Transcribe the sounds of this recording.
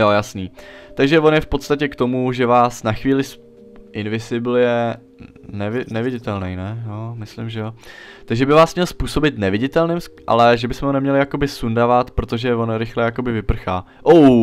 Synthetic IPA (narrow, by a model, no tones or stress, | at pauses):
jojasniːt̪aɡʒɛvo̞njɛfpo̞t̪st̪acɛkt̪o̞muʒɛvaːsnaxviːlɪs | ʔɪnvɪzɪbl̩jɛ | nɛvɪnɛvɪɟɪt̪ɛlnɛjnɛjomɪslɪmʒɛjot̪aɡʒɛbɪvaːsmɲɛlspuːso̞bɪt̪nɛvɪɟɪt̪ɛlnɪmʔa̰lɛʒɛbɪsmɛɦonɛmɲɛlɪjako̞bɪsundavat̪pɾot̪o̞ʒɛvo̞nɾɪxlɛjako̞bɪvɪpr̩xaː | ʔow